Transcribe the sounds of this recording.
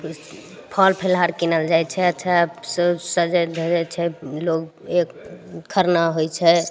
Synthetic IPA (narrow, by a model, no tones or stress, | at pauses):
pʰəlpʰelɦaɾkinəld͡ʒajt͡ʃʰɛətːʃʰasəsəd͡ʒəd̪ʱəd͡ʒɛt͡ʃʰɛlok | ekkʰəɾnaɦojt͡ʃʰɛ